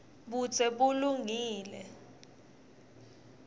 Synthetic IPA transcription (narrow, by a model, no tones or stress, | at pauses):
ɓut͡sʰʼɛɓuluŋiːlɛ